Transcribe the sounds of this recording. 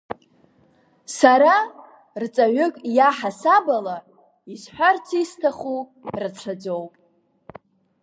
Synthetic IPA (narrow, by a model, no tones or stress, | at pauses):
saɾa | rt͡sʼaʕʷʏkʼjaħasabala | isħʷᶣart͡sʰistʰaχu | rɨt͡sʷʰad͡zowpʼ